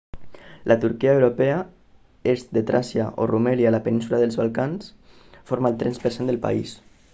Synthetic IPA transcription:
lʔat̪uɾkiaewɾopɛa | ezd̪et̪ɾasiaʔo̰rumɛljalapenĩnsulaðəlˠzβalˠkansfoɾmaəlˠt̪ɾɛnspəɾsend̪əlpa̰is

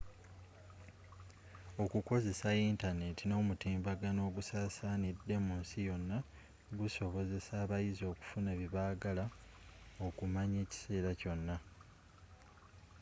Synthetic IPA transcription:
o̞kuko̞ze̞saintane̞tino̞ːmutiːmbaɡano̞ːɡusaːsaːnidːe̞munsijo̞nːa | ɡuso̞βo̞ze̞saːβajizo̞ːku̥funaβiβaːɡala | o̞kumaɲe̞ːci̥se̞ːɾaco̞nːa

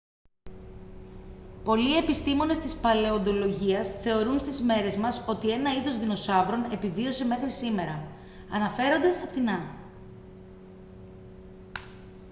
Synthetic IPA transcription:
po̞lie̞pist̪imo̞ne̞st̪ispɐle̞o̞nd̪o̞lo̞ʝiɐsθe̞o̞ɾunst̪izme̞ɾe̞zmɐso̞t̪ie̞nɐiðo̞zðino̞sɐvɾo̞ne̞pivio̞se̞me̞xɾisime̞ɾɐ | ɐnɐfe̞ɾo̞nd̪ɐst̪ɐpt̪inɐ

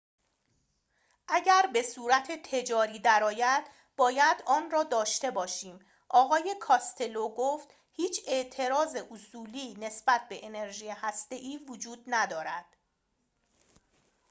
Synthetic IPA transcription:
ʔæɟæɾbe̞suːɾæt̪ʰet̪ʰe̞d͡ʒɒːɾiːd̪æɾɒːjæd̪̥ | bɒːjæd̪ɒːnrɒːd̪ɒːʃt̪e̞bɒːʃiːm | ʔɒːɣɒːje̞kʰɒːst̪ʰe̞loɡoːft̪ | hiːt͡ʃʰe̞ʔt̪ʰe̞ɾɒːze̞ʔusuːliːne̞sbæt̪̚ʰbe̞ʔene̞ɾʒiːjehæst̪e̞ʔiːvod͡ʒuːd̪næd̪ɒːɾæd̪̥̚

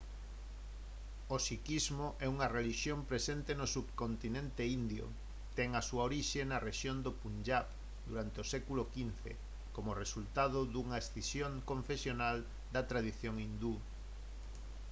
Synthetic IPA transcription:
osikizmoʔɛuŋɐreliʃjompɾesent̪enosuβkont̪inẽnt̪eind̪jo̰ | t̪ɛŋɐsuɐoɾiʃenɐreʃjond̪opund͡ʒap | d̪uɾant̪eosɛkulokin̟θḛ | komoresult̪aðʊðuŋɐesθisjoŋkõɱfesjonal | d̪ɐt̪ɾaðiθjoŋind̪u

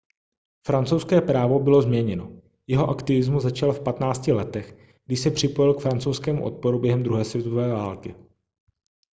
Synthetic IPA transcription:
fɾant͡sowskɛːpɾaːvo̞bɪlo̞zmɲɛɲɛno̞ | jɛɦo̞ʔakt̪ɪvɪzmuzat͡ʃalfpat̪naːt͡scɪlɛt̪ɛx | ɡdɪʃsɛpr̝̥ɪpo̞jɪlkfɾant͡sowskɛːmṵʔo̞̰t̪̚po̞ɾubjɛɦɛmd̪ɾuɦɛːsvjɛt̪oovɛːvaːlkɪ

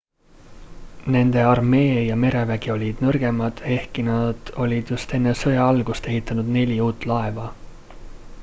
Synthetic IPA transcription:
ne̞nd̪̥e̞ɑrme̞ːjɑme̞ɾe̞væɡ̥io̞lʲid̪̥nɤrɡ̥e̞mɑd̪̥e̞hkinɑd̪̥o̞lʲid̪̥just̪e̞nːe̞sɤjɑɑlɡ̥ust̪e̞ɦit̪ˑːɑnud̪̥ne̞lʲiuːt̪ːˑlɑevɑ

